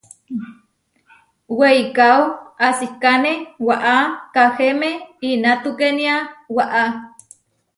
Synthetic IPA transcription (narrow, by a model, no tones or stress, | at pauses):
weikawasikanewaʔakahemeinat̪ukeniawaʔa